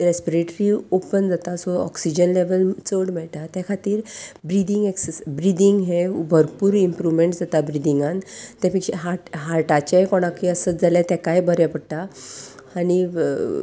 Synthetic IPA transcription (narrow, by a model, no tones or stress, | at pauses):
ɾespiɾeʈɾiopənd͡zat̪asoɔ̰ksid͡ʑənleʋəlt͡səɽmɛɭʈ̪at̪akʰat̪iːɾbɾid̪iŋɡeksesbɾid̪iŋɡɦebʱəɾpuːɾimpɾuʋmeɳʈd͡zat̪abɾid̪iŋɡant̪ɛ̃pikɕeɦaɦaɾʈat͡ɕekoɽ̃ãkiəsəd͡zalet̪ɛkajbəɾɛpəɽt̪aː | ɽ̃i